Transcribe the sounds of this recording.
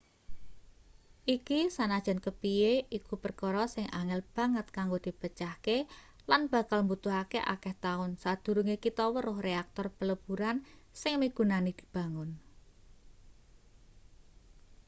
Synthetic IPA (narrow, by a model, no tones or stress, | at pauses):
ʔikisanad̥ʒ̥a̤nkəpieʔikupərkɔɾɔsɪŋʔaŋɪlb̥ä̤ŋət̪̚kaŋɡod̪̥i̤b̥ət͡ʃahke | lanb̥ä̤kalmbut̪ʊɦakeʔakɛht̪aʊnsad̪̥ṳɾuŋekit̪ɔwəɾʊhreak̚t̪ɔrpələb̥uɾansɪŋmiɡ̥ṳnanid̪̥i̥̤b̥a̤ŋʊn